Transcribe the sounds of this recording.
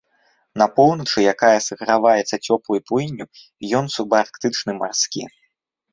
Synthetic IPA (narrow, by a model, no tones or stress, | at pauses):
nɐpɔwnɐt͡ʂɨjakajɐsɐɣɾavajɛt̪sːɐt͡sʲɔplˠujpujnʲːu | jɔnsubɐarkt̪ɨt͡ʂnɨmarskʲḭ